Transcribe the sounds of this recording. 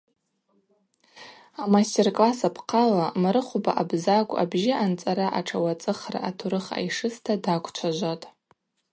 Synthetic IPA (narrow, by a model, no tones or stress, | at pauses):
amastʲerkʼlasapʰqʰalamaɾɨχʷubaʔabzakʷʼa̰bʒɪʔant͡sʼaɾaʔaʈ͡ʂʰawat͡sʼɨχra̰ʔatʰuɾɨχa̰jʂɨstʰadakʷʰt͡ʃʷʰaʒʷatʼ